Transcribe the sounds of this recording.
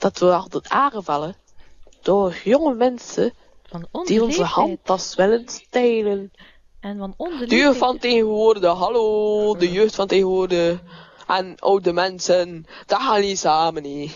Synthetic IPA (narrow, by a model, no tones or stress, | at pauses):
d̥ɑtʋəɑlˠtətaːrəvɑlə | d̥oːjɔŋəmɛnsə | d̥iɔnzəhɑntɑsʋɪlənsteːlən | d̥əjøːxttfɑnteːɣəʋʊːrdəɦɑloːdəjøːxtfɑnteːɣənʋʊːrdəʔɛnʔo̰ːk̚dəmɛnsənd̥axaːnisaːməni